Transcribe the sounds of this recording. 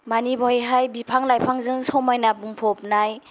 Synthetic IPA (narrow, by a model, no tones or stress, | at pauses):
manibɔjɦajbipʰaŋlajpʰaŋzɯŋsɔwmajnabuŋpʰɔp̚naj